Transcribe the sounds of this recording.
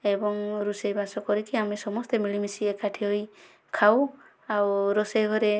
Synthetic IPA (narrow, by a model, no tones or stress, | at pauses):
ebɔŋɾusejbasɔkɔɾikiamisɔmɔst̪emilimisiekaʈʰiɦoj | kʰaw | awɾoseɡʱɔɾe